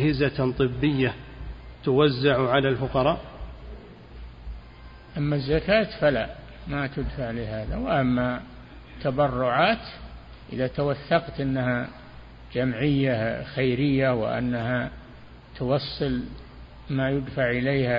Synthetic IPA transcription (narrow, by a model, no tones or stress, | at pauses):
hɪzat̪ˤɨbːɪjːat̪ʊwazːaʕʕalaːlfʊqɑɾˤɑːʔ | ʔamːazːakaːt̪falaʔ | mat̪ʊd̪faʕlɪɦaːðawɪʔamːa | t̪abɑrːʊʕaːt̪ | ʔɪ̰ðat̪awaθːɑqt̪ʔɪnːaha | d͡ʒamʕɪjːaxajɾɪjːawɪ̰ʔa̰nːaha | t̪ʊwɑsˤːɨl | majʊd̪faʕʔɪlejha